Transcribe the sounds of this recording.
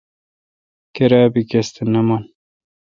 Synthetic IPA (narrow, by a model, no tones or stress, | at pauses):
keɾaːbikest̪enɐman